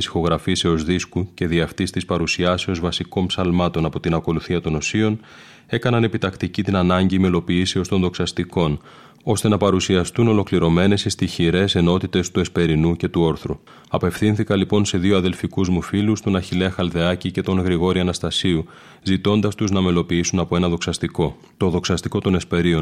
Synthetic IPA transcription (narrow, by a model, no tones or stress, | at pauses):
isi̥xo̞ɣɾɐfise̞o̞zðiskuce̞ðiɐft̪ist̪ispɐɾusiɐse̞o̞zvɐsiko̞npsɐlmɐt̪o̞nɐpo̞t̪inɐko̞luθiɐt̪o̞no̞sio̞n | e̞kɐnɐne̞pit̪ɐkt̪icit̪inɐnɐɲɟimelo̞piːse̞o̞st̪o̞nðo̞ksɐst̪iko̞n | o̞st̪e̞nɐpɐɾusiɐst̪uno̞lo̞kliɾo̞me̞ne̞sist̪içiɾe̞se̞no̞t̪it̪e̞st̪ue̞spe̞ɾinuce̞t̪uo̞ɾθɾu | ɐpe̞fθinθikɐlipo̞nse̞ðio̞ɐðe̞lfikuzmufilust̪onɐçile̞xɐlðe̞ɐcice̞t̪o̞nɣɾiɣo̞ɾiɐnɐst̪ɐsiu | zit̪o̞nd̪ɐst̪uznɐme̞lo̞piisunɐpoe̞nɐðoksɐso | t̪o̞ðo̞ksɐst̪iko̞t̪o̞nespe̞ɾio̞n